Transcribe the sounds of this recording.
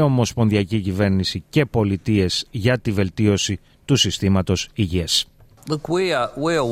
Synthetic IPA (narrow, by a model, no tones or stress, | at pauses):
o̞mo̞spo̞nðiɐcicive̞ɾnisice̞po̞lit̪ie̞z̥ʝɐt̪ive̞lt̪io̞si | t̪usist̪imɐt̪o̞siʝies | ləkwiəwi